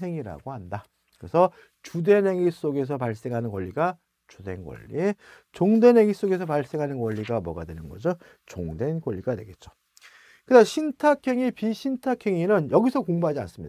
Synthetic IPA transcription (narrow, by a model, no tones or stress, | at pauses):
e̞ŋiɾa̰ɡoɦanda | kɯɾesʰʌ | t͡ɕude̞nɦe̞ŋis͈oɡe̞s̬ʰʌpaɭs͈e̞ŋɦanɯnkwʌʎːiɡa | t͡ɕudenɡwʌ̰ʎːḭt͡ɕoŋde̞nɦe̞ŋis͈oɡe̞sʰʌpaɭs͈e̞ŋɦanɯnkwʌʎːiɡamwʌ̰ɡadwe̞nɯnɡʌd͡ʑo | t͡ɕoŋde̞nkwʌʎːiɡadwe̞ɡe̞t̚t͡ɕ͈o̥ | kɯnaɕʰintʰakʰe̞ŋipiɕʰintʰakʰe̞ŋinɯnjʌɡisʰʌkoŋbaɦad͡ʑia̰ns͈ɯmɲida